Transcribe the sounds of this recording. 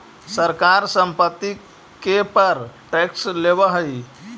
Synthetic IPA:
səɾkaɾsəmpət̪ːi | kepəɾʈɛkslebəɦəj

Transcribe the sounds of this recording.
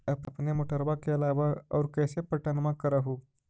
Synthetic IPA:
əpəpnemoʈəɾbakeɐlaʋaɐwɾkəjsepəʈənmãkəɾaɦu

